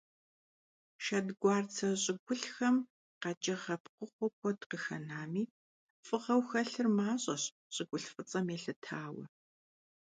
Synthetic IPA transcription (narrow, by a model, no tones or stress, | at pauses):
ʃɐdɡʷɑːrt͡sʰɐɕʼɪɡʷʊɬxɐm | qɑt͡ʃʼɐʁɐpqʷʊχʷɔkʷʰɔtqəxɐ̰naːmiː | fʼɨʁɐwxɐɬɨrmaːɕʼɐɕ | ɕʼɪɡʷʊɬfʼɨt͡sʼɐmeːɬɨtʰaːwɐ̰